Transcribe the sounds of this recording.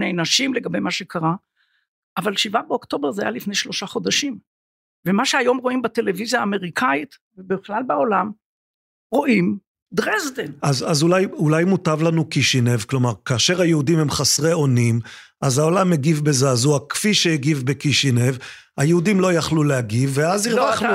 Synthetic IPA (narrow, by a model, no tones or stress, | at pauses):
nejnaʃimleɡabejmaʃekʰaʁa | ʔavalʃivabeokt̪o̞beʁzeajalifnejʃlo̞ʃaχo̞d̪aʃim | vemaʃeajo̞mʁo̞imbat̪elevizjaːme̞ʁikʰait̪vebeχlalbeolam | ʁo̞ʔim | d̪ʁezdenazazulajulajmutavlanukiʃine̞vklo̞maʁkaːʃeʁhajeud̪imhemχasʁeo̞nim | ʔazao̞lameɡivbezaːzuakfiʃeeɡivbekiʃinev | ajeud̪imlo̞jaχlulehaɡivːeaziʁau